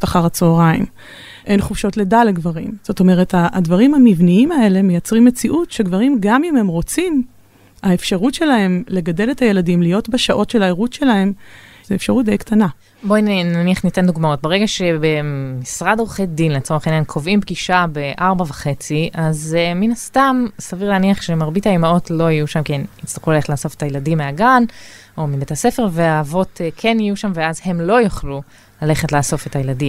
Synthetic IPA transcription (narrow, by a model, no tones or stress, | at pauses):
t̪aχaʁat͡soːʁaim | ʔe̞nχufʃo̞tledaleɡvaʁimz̥o̞to̞me̞ʁe̞tadvaʁimamivniimae̞le̞mejat͡sʁimːet͡siʔutʃeɡvaʁimɡamimhe̞mʁo̞t͡sim | aefʃaʁutʃe̞lahe̞mle̞ɡade̞lethaje̞ladimlijo̞tbaʃaʔo̞tʃelaeʁutʃe̞lahe̞m | zeefʃaʁut̚dejktana | bonaniaχnit̪end̪uɡmao̞t̚beʁeɡaʃebemːisʁadoʁuχedinlet͡so̞ʁeχenjankʰovimbɡiʃabeʔaʁbavaχe̞t͡siʔazeminastamsaviʁleːniaχʃemaʁbitaimao̞tlo̞ijuʃamkiemit͡st̪aʁχulaleetlaːso̞fetajeladimːeaɡan | ʔo̞mibetase̞fe̞ʁveaːvo̞tʰekʰe̞nijuʃamveazhe̞mlo̞joχlu | lale̞χetlaːso̞fetajeladim